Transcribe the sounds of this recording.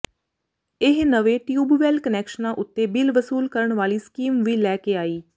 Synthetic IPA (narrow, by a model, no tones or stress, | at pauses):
ɪɦnəʋeːʈjuːbʋɛːlkənɛːkʃənãːʔʊt̪ːeːbɪlʋəsuːlkəɾəɳʋaːliːskiːmʋiːlɛːkeːaːiː